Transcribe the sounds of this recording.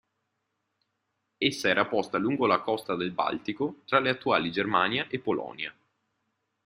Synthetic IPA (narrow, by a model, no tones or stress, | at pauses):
esːaɛːɾapɔst̪aluŋɡolakɔst̪ad̪elba̰lt̪ikot̪ɾaleat̪ːua̰ːlid͡ʒermaːnjaʔepːolɔ̰ːnja